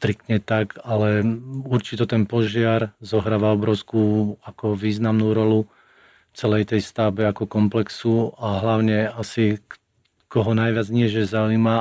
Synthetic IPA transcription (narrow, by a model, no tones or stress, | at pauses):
st̪ɾik̚t̪ɲɛt̪akalɛuɾt͡ʃit̪ɔt̪ɛnpɔʒɪaɾzɔɦɾaːʋaɔbɾɔʊskuːakɔʋiːznamnuːɾɔlu | t͡sɛlɛjt̪ɛjst̪abɛakɔkɔmplɛksuaɦlaʊɲɛasi | kɔɦɔnajʋɪad͡zɲiɛʒɛzaujma